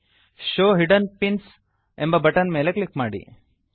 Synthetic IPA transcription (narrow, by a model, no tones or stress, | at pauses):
ʃoːɦiɖɐnpins | embɐbɐʈɐnmeːleklikmaːɽḭ